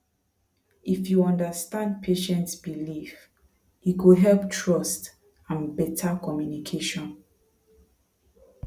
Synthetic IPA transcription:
ʔifjuɔ̃ndəstãnd̚pʰeʃɛ̃ntsbilif | ikudɦɛlptʰɹɔst | ãnbɛtʰakɔmjunikʰeʃɔ̃n

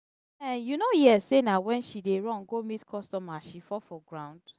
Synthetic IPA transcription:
ɛjunojɛsːenawɛ̃nʃideɹɔ̃nɡomitkʰɔstɔmaʃifɔfɔɡɹãʊ̃nd̥

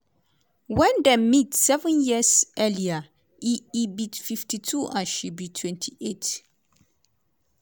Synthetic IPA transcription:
wɛ̃ndɛmitsɛvə̃njisɛlia | iibitfiftʰitʰuʔã̰nʃibitʰwɛ̃ntʰiʔet

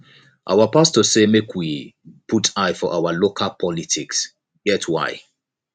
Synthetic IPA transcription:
ʔa̰wapastɔsemekʰwipʰutʰaɪfɔʔawalokʰalpʰɔlitʰiks | ɡɛtʰwa̰ɪ

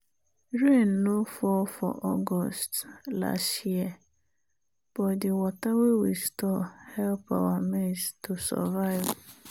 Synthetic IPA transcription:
ɹẽnːõfɔfɔ̰ʔɔɡɔstla̰stjiɛ | b̥ɔdɪwɔtawewistʰɔhɛlpa̰wamestʰusɔ̰vaɪv

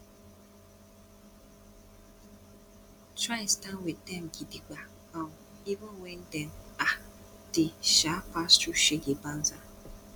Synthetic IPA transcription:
tɾaɪstanwetɛm̩ɡidik͡pa | ɔmivə̃nwen̩dɛna | d̥ɪʃafastuʃeɡeban̩za

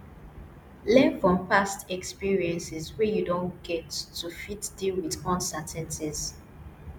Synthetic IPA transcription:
lɛ̃nfɹɔ̃mpastɛkspiɹiɛ̃nsɛzwɛjudõnɡ̥ɛtːufitdilwidkɔ̃nsɛ̃ntʰɛ̃nsiz̥

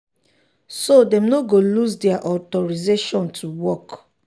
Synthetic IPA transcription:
sodɛ̃mnoɡolusdɛaʔɔtɔɹizeʃɔ̃ntʰuwɔk

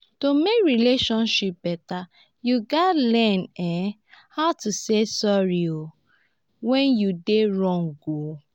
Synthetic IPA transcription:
tomekɹileʃɔ̃nʃip̚b̥ɛta | juɡalɛnɛ | haʊtusesɔɹio | wɛ̃njudeɹɔ̃ŋɡo

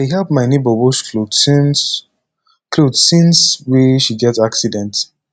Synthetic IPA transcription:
aɪɦɛlpmaɪnebəwɔʃlon | klodsĩnswɛʃiɡɛtaksidɛ̃nt

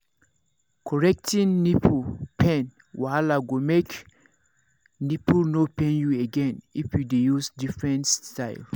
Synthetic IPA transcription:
kʰɔɹɛk̚tĩnːipʰupʰɛ̃n | waalaɡomek | nipunopɛ̃njueɡɛ̃nifjudejusdifɹɛ̃ntstaɪl

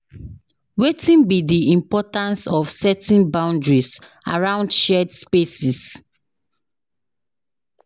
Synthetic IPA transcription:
wetĩnbidiĩmpɔtãnsɔfsɛtĩnbãʊ̃ndɹis | a̰ɹãʊ̃ndʃɛdspesis

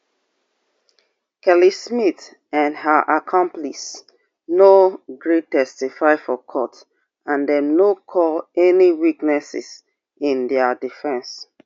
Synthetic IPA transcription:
kɛlismit | ãnhəʔakʰɔ̃mplis | noɡɹettːɛstifaɪfɔkʰɔt | ãndɛ̃mnokʰɔlɛniwiknɛsḭs | ĩndɛdifɛ̃ns

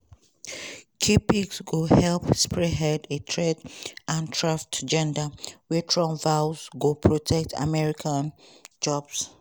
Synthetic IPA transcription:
kʰipiksɡohɛlpspɹɛɦɛdetʰɹɛdãntʰɹaftd͡ʒɛ̃ndawitʰɹɔ̃mvazɡopʰɹotʰɛk̚tʰa̰mɛɹikʰãnd͡ʒɔbs

